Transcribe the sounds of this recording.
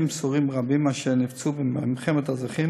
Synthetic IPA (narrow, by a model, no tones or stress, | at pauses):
msuʁimʁabimaʃɛnɪft͡subɪmmχɛmət̪azəχi